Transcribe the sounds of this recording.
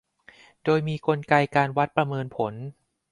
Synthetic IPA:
doː˧jmiː˧ko˧nka˧jkaː˧nwa˦˥t̪̚pɾa˧mɤː˧npʰo˩˦n

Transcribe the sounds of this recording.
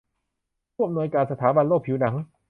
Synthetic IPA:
u˥˩m̚nu˧əjkaː˧nsa˧t̪ʰaː˩˦ba˧nloː˥˩kpʰːi˩˦wna˩˦ŋ

